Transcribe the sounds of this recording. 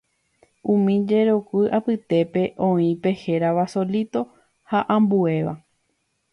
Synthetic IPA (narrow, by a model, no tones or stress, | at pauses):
ũmĩd͡ʒe̞ɾokɨʔapɨt̪e̞pe̞ʔõ̞ĩpe̞he̞ɾaʋaso̞lit̪o̞ | haʔãmbue̞ʋa̰